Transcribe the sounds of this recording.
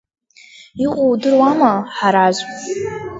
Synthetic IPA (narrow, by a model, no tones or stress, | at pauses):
iqʷʼowdɨrwamaħaɾaʒʷ